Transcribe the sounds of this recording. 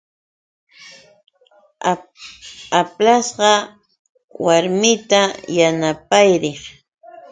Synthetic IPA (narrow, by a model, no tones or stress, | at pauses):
aplasɢɑ | waɾmɪt̪ajanapajɾɪχ